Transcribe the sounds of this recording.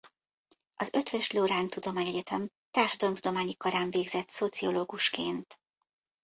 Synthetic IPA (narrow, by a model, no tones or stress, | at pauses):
ɒzøt̪ʋɛʃloːɾaːnt̪ud̪o̞maːɲɛɟɛt̪ʰɛm | t̪aːrʃɒd̪ɒlomt̪ud̪o̞maːɲikɒɾaːɱveːɡzɛt̪so̞t̪sioloːɡuʃkeːnt̪